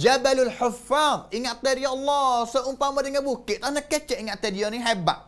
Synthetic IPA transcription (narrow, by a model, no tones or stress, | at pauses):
d͡ʒabalʊlħʊfaðˤiŋaʔt̪eɾiɔlːɔsəʔumpamadəŋabukɪʔt̪anəkət͡ʃɛʔiŋaʔt̪ədijɔniɦeba̰ʔ